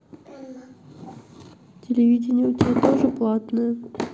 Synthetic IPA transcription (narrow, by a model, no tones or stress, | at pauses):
tʲɪlʲɪvʲidʲɪnʲɪəʊtʲɪat̪oʐɨplˠat̪nəjə